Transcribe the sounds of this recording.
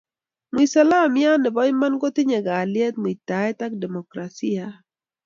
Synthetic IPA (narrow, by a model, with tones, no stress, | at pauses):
mwi˨sa˦la˦˨mja˦nɪ˨bɔ˦ɪma˦nɡo˦t̪ɪ˦ɲɛ˨ɡaː˨ljɛ˦t̪̚mo˨i˨t̪a˨ɛ˦ta˦k̚dɛ˨mo˨kɾa˨si˦a˨